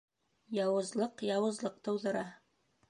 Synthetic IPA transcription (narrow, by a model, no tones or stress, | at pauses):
jɑwɤ̆zlˠɤqjɑwɤ̆zlˠɤq̚t̪ɤ̆wðɤ̆ɾɑ